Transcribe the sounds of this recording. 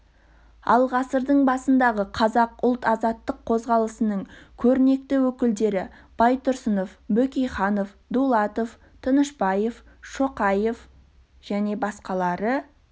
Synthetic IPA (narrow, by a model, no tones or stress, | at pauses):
ɑ̰lˠʁɑsəɾd̪əɴbɑsənd̪ɑʁəqʰɑzɑqʊlˠt̪ɑzɑt̪ːəqʰːo̞zʁɑlˠəsənəɴkʲʰɵɾɪne̞k̚t̪ɪwɵkʲɪld̪e̞ɾɪ | b̥ɑjt̪ʰʊɾsəno̞fbɵkʲejχɑnof | d̪ulˠɑt̪o̞f | t̪ʰənəʃpɑje̞f | ʃo̞qɑje̞f | ʒ̥æne̞bɑsqɑlˠɑɾə